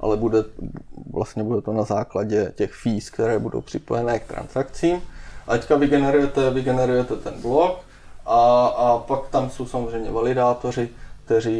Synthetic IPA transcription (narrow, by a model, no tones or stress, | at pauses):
ʔa̰lɛbudɛvlʔa̰st̪ɲɛbudɛt̪onazaːklaɟɛcɛxfiːskt̪ɛɾɛːbudo̰wpr̝̥ɪpojɛnɛːkt̪ɾa̰nsakt͡siːmʔat̪ɛckavɪɡɛnɛɾujɛt̪ɛvɪɡɛnɛɾujɛt̪ɛt̪ɛnblok | ʔaapakt̪amso̞wsamozrɛjmɲɛvalɪdaːt̪o̞r̝ɪk̚t̪ɛɾ̝iː